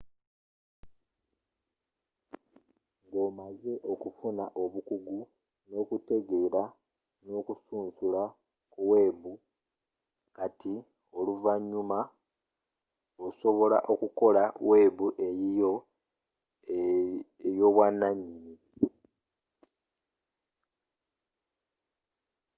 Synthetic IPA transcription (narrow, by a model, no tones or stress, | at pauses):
ŋɡo̞ːmaze̞ʔo̞kufunaʔo̞βukuɡu | no̞ːkute̞ɡe̞ɾa | no̞ːkusuːnsula | kuwe̞ːβu | kati | oluvaɲːuma | oso̞βo̞la̰ʔo̞kuko̞lawʔeːβuʔe̞jijo | ejo̞ːβwanːaɲini